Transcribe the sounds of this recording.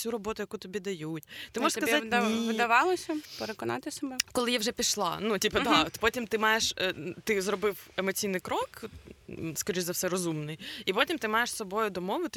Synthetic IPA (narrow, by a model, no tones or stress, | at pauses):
sʲuɾɔbɔt̪ʊjɐkut̪ɔbʲid̪ɐjutʲt̪ɪmɔʒəskɐzaʋɪd̪ɐʋɑlˠɪsʲɐpeɾekɔnɑ̰t̪ɪsɐbɛkɔlˠɪjɛwʒɛpʲiʃlˠɑ̰nutʲipɐd̪ɑt̪pɔtʲimt̪ɪmɑjeʃt̪ɪzɾɔbɪwemɔt͡sʲijnɪjkɾɔk | skɔɾʲiʒʲzɐwsɛɾɔzumnɪjipɔtʲimt̪ɪmɑjeʂsɔbɔjʊd̪ɔmɔʋɪt̪ɪ